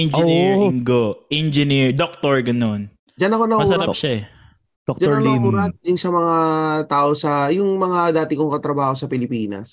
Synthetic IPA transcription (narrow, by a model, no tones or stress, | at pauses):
ɛnd͡ʒɛiŋɡoʔɛnd͡ʒɛniɹd̪ok̚t̪oɹɡɐnon | d͡ʒɐnɐkonɐʔmɐusɐɐpʃaɛ | doktd͡ʒauːɾad̪ɪŋsɐmɐŋat̪aːʔosɐjʊŋmɐŋad̪aːt̪ɪkoŋkɐt̪ɾɐbaːho̞sɐpɪlɪpiːnɐ̰s